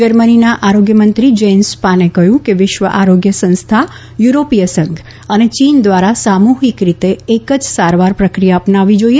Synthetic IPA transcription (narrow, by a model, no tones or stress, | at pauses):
d͡ʒəɾməninaʔaɾoɡjəmənt̪ɾid͡ʒenspanekəɦjũkeʋɪʃʋəʔaɾoɡjəsə̃nst̪ʰa | juɾopijəsə̃ŋɡ | ənet͡ʃind̪ʋaɾasamuɦikɾit̪eːkəd͡ʒsaɾʋaɾpɾəkɾijaəpnaʋid͡ʒoie